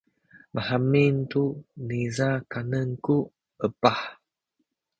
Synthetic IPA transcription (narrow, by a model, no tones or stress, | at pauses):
mahamintunizakanənku | əpah